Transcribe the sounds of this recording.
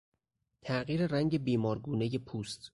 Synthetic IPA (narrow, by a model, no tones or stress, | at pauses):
t̪ʰæɢiːɾeɾæŋɟe̞biːmɒːɾɡuːneje̞pʰuːst̪